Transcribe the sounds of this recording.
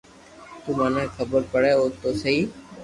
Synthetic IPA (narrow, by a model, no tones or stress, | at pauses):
t̪uːmaːnãːeːkʰəbəɾpəɽeːɦoːt̪oːsəɦiː